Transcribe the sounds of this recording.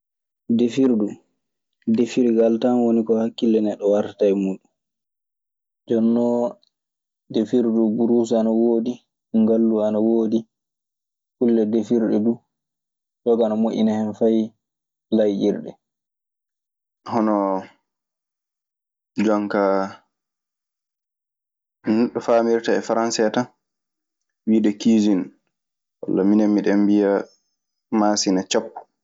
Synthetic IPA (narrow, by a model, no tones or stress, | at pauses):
defiɾdu | defiɾɡaltanwonikɔhakːilːɛnɛɗːɔwaɾtatajmuːɗun | d͡ʒɔnːɔ | defiɾdubuɾus̬anawoːdi | ŋɡalːuanawoːdi | kulːɛdefiɾɗɛdu | d͡ʒɔɡanamoʔʲḭnahɛnfaj | lajʔiɾɗɛ̰ | hɔnɔ | d͡ʒɔŋka | nuɗːɔfaːmiɾtaɛfaɾansɛtan | wiːɗɛkiːd͡ʒin | wa̰lːaminamːiɗɛmbija | maːsinat͡ʃapːu̥